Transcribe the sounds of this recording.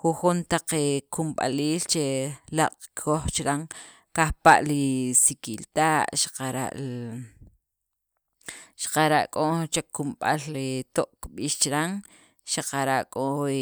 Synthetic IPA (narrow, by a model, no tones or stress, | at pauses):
xuxunt̪aq͡χekumɓa̰liːlt͡ʃelaqʼkʰoχt͡ʃɾaŋ | kahpa̰ʔlisikilt̪aːʔʃḁqaɾa̰ʔ | ʃḁqaɾaʔkʼot͡ʃekːumɓa̰lit̪oʔkɓiːʃt͡ʃɾaŋ | ʃaqaɾaʔkʼo